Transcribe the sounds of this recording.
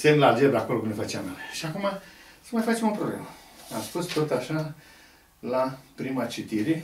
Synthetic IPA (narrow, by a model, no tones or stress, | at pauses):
semlald͡ʒeb̪akolokunefat͡ʃea̰maneʃiakumasəmajfat͡ʃemopɾoblḛm | a̰mspust̪ot̪aʃa | lapɾimat͡ʃit̪iɾe